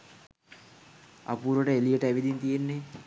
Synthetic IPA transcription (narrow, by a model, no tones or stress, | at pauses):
a̰puːɾoʈəelijəʈəæʋid̪int̪ijenːe